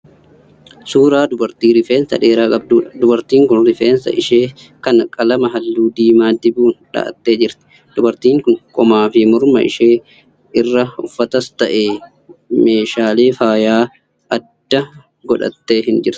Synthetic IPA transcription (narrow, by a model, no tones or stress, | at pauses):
suːɾaːd̪ʊbɐɾt̪iːɾɪfeːnsɐ̰ᶑe̞ːɾaːkʼɐb̚d̪uːᶑɐd̪ʊbɐɾt̪iːŋkʊnɾɪfeːnsɐ̰ʔɪʃeː | kɐnɐkʼɐlɐmɐɦɐlːuːd̪iːmaːd̪ɪbuːnᶑɐ̰ʔɐ̰t̪ːe̞ːd͡ʒɪɾt̪ɛ̥ | d̪̥ʊbɐɾt̪iːŋkʊŋkʼɔmaːfɪmʊɾmɐ̰ʔɪ̰ʃeː | ɪrːɐʊ̰fːɐt̪ɐst̪ɐʔeː | me̞ːʃaːle̞ːfaːjaː | ʔɐd̪̥ːɐ | ɡɔᶑɐ̰t̪ːeːɦɪnd͡ʒɪɾt̪ɪ̥